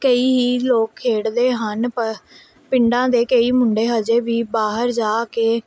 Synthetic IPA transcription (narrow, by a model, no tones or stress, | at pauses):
kəiːɦiːloːkʰːeːɽd̪eːɦənp | pɪɳɖãːd̪eːkəiːmʊɳɖeːɦəd͡ʒeːʋiːbaːɦəɾd͡ʒaːkeː